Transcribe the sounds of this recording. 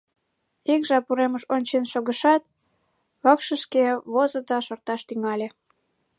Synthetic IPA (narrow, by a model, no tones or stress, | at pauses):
ikʒɑpuɾeməʃonʲt͡ɕenʃoɣəʃɑt̪̚ | βɑkʃəʃkeβozə̆d̪ɑʃort̪ɑʃt̪yŋɑlʲe